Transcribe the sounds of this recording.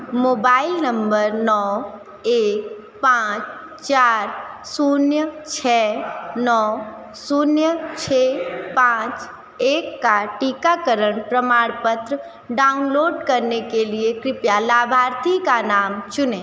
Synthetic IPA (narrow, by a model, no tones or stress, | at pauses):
moːbaːɪlnə̃mbəɾnɔ | eːk | pãːt͡ʃ | t͡ʃaːɾsunjət͡ʃʰɛnɔ | sunjət͡ʃʰepãːt͡ʃ | eːkːaʈikakəɾəɳ̃pɾəmaːɽpət̪ɾə | ɖaːʊnloːɖkəɾnekeliekɾɪpjalaːbʱaːɾt̪ikanaːmt͡ʃʊneː